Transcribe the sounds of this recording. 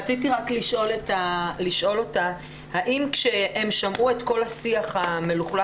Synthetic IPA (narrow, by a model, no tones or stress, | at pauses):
t͡sit̬iʁakliʃʔo̞letaliʃʔo̞lo̞ta | haʔimkʃe̞emʃamʔue̞tko̞lhasiaχhameluχla